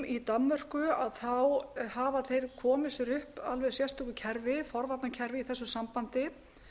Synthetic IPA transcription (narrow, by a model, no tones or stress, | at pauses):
it̪amːœr̥kʏaðθawhaːvaθejɾ̥kʰɔːmɪsʏɾʏhpalvɛðsjɛrst̪ɔkʏcʰɛɾvɪfɔɾvat̪nacʰɛɾvɪiθɛsːʏsampant̪ɪ